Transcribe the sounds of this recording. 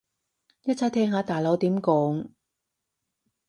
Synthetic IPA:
jɐ˥t͡sʰɐ˨˥t̪ʰɛː˥ŋɦaː˨˧˥t̪aː˨˩jlɐ˨˥wt̪iː˨˥mkɔː˨˥ŋ

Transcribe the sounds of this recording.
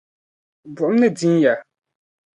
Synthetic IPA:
bu˨ʔm˦nɛ˦dĩ˦nja˨

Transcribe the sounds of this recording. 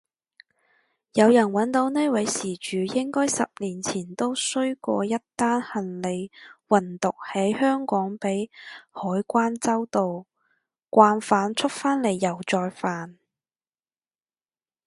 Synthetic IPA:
jɐ˨˧wjɐ˨˩nwɐ˨˥nt̪o˨˧˥wne˥wɐ˨˥jsiː˨˩t͡ʃyː˨jɪ˥ŋkɔː˥jsɐ̰˨p̚liː˨˩nt͡sʰiː˨˩nt̪o˥wsɵ˥ɥkʷɔ̰ː˧jɐ˥tt̪aː˥nhɐ˨nle˨˧jwɐ˨nt̪ʊ˨k̚hɐ˨˥jhœː˥ŋkɔː˨˥ŋpe˨˥jhɔː˨˥jkʷaː˥nt͡sɐ˥wt̪o˨w | kʷaː˧nfaː˨˥nt͡sʰɵ˥k̚faː˥nle˨˩jːɐ˨˩wt͡sɔː˧jfaː˨n

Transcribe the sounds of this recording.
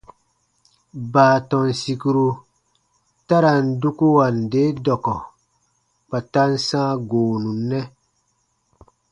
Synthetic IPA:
baː˨tɔ˨nsi˨ku˦ɾu˦ | ta˦ɾa˨n˨du˦ku˦wa˨nde˦dɔ˨kɔ˨ | k͡pa˨ta˦n˦sãː˦ɡoː˨nu˨nːɛ˦

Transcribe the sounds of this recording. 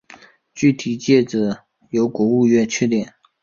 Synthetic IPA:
t͡ɕy˥˩t̪ʰi˨˩t͡ɕjɛ˥˩ʈ͡ʂ̩˨˩˦ | jo˧˥ʊkwɔ˧˥u˥˧ɥɛ˥˧t͡ɕʰɥɛ˥˩t̪jɛ˨˩˦n

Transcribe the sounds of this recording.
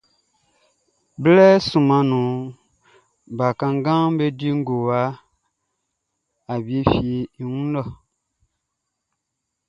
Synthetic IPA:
blɛ˦sũ˨mã˨nũ˨ | ba˨kã˨ŋ˦ɡã˦be˦di˦ŋ̩˦ɡo˨wa˦ | a˨bi˦fi˨i˨wũ˦n˦ɔ˦˨

